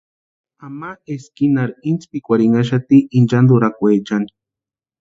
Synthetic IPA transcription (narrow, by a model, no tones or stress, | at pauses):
amaeskinaɾint͡spikʷaɾiŋaʃ̬at̪iʔind͡ʒand̪uɾakʷed͡ʒani̥